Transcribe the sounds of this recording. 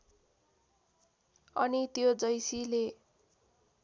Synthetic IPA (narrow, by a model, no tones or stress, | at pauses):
ʌnit̪jod͡zʌjsile